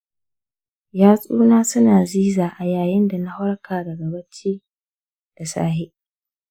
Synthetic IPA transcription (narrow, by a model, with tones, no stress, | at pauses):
jaː˦sʼuː˦naː˦sʊ˦naː˨ziː˦zaː˨ʔa˨jaː˨jɪ˦nda˨na˦hʊ˦ɽkʰaː˨dɐ˨ɡɐ˨bɐ˦t͡ʃiː˦ | d̥a˨sa̰ː˦ɦe˦ʔ